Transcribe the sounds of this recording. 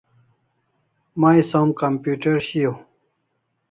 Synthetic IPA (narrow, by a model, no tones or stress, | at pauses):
majsomkɐmpjuːʈeɾɕijo